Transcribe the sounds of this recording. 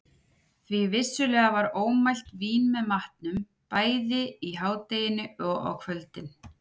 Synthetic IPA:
θvivɪsːʏlɛːɣavaɾoːwmajl̥t̪viːnmɛðmaht̪nʏm | paːjðɪiɦaːwt̪ejɪnɪɔɣa̰wkʰvœlt̪ɪn

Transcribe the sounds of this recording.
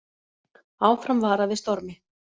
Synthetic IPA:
aːwfɾamvaːɾaðɪst̪ɔɾmɪ

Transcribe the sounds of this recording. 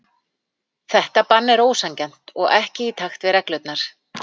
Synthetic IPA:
θɛht̪apanːɛɾoːwsaŋcɛn̥t̪ɔɣɛhcɪit̪ʰaxt̪vɪðɾɛklœɥt̪naɾ̥

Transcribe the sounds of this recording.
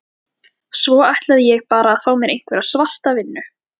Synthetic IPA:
svɔajht̪laðɪjɛɣpaːɾaːðθaːwmjɛɾʔejŋ̥kvɛːɾasval̥t̪avɪnːʏ

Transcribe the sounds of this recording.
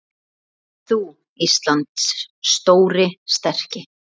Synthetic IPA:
θu | ist̪lant̪sːt̪oːwɾɪst̪ɛr̥cɪ

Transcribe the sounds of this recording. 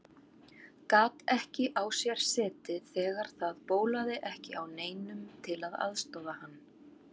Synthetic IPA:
kaːt̪ɛhcɪʔawsjɛɾ̥sɛːt̪ɪθɛːɣaɾ̥θaðpoːwlaðɪʔɛhcɪʔawneːjnʏmt̪ʰɪlaða̰ðst̪ɔwðahanː

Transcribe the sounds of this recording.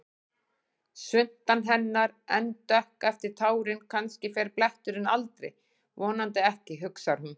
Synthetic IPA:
sʏn̥t̪anɦɛnːaɾɛnt̪œhkɛft̪ɪɾ̥t̪ʰaːwɾɪnkʰanscɪfɛɾplɛht̪ʏɾɪnalt̪ɾɪ̰j | vɔːnant̪ɪɛhcɪɦʏksaɾ̥hun

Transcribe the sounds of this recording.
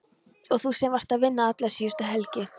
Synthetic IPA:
ɔɣθusɛmvaɾ̥t̪aðvɪnːaat̪lḁsiːʏst̪aɦɛlcɪ

